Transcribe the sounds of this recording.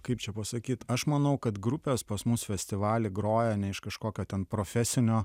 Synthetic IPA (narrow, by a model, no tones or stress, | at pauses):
kɐɪpt͡ʃʲɛpɐsɐkʲiːt̪ɐʃmɐnɐʊkɐt̪ɡɾʊpʲeːspɐsmʊsfʲɛsʲt̪ʲɪʋɑːlʲɪɡɾoːjɛnʲɛɪʃkɐʃkoːkʲoːtʲɛnpɾoːfʲɛsʲɪnʲoː